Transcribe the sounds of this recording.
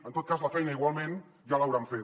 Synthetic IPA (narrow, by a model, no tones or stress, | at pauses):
ənt̪ot̪̚kazləfɛjnəiɣwalˠmẽn | ʒalawɾaɱfet